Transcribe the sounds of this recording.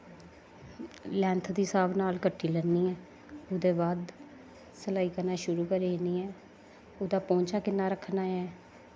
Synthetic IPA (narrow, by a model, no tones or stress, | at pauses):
lɛ̃ːnt̪ʰd̪iːsaːbnaːlkəʈʰːiːlɛnːiːɛː | ʊd̪eːbaːd̪ | səlaːiːkəɾnaːʃʊɾuːkəɾeeniːɛː | ʊd̪aːpɔ̃ːɲt͡ʃaːkɪnːaːɾəkʰnaːɛː